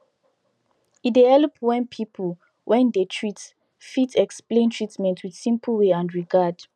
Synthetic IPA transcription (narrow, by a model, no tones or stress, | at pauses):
idɛɛlɔpwɛ̃npʰipʰəl | wʔɛ̃ndetʰɹit | fitʰɛksplẽntʰɹitmɛ̃ntʰwidsĩmpʰəlweãndɹiɡad